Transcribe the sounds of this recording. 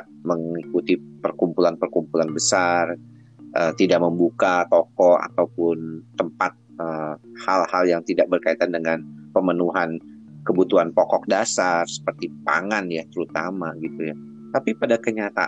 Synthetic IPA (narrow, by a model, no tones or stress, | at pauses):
məŋikut̪ipərkumpulanpərkumpulanbəsar | ʔət̪idaʔ̚məmbukat̪ɔkɔʔa̰t̪awpʊnt̪əmpat̪̚əhalhaljaŋt̪idaʔ̚bərkait̪andəŋanpəmənuɦan | kəbut̪uanpɔkɔk̚dasarsə̥pərt̪ipa̰ŋanjat̪əɾut̪amaɡit̪uja | t̪apipadakəɲat̪a̰